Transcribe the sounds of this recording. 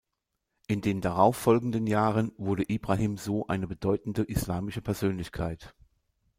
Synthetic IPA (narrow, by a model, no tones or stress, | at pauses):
ʔɪndeːndaʁ̞aʊfɔlɡŋ̩dənjaːʁənvʊɐdəʔiːbʁaɦiːmzoːʔa̰ɪnəbədɔʏtn̩dəʔɪslaːmɪʃəpʰɛɐzøːnlɪçkʰaɪt